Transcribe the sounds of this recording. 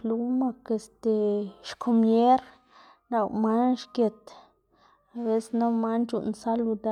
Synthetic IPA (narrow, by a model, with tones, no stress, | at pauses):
plu˦ma˧ke˨st̪e˨ʃkʰo˧mje˦ɾ | na˧wma˦nʃkje˨t̪ | a˨be˦sna˦ma˦nt͡ʃṵ˧˨nsa˦lu˧d̪a˦